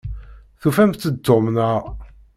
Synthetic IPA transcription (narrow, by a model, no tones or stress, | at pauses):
θufæmt̪ːət̪ːomnəʁ